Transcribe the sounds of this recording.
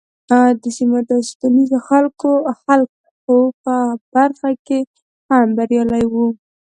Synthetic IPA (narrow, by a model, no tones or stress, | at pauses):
d̪əsimad̪ɑst̪anizoxalkoxalk̚ | xopəb̥aɾxake | hambaɾjɑlajwu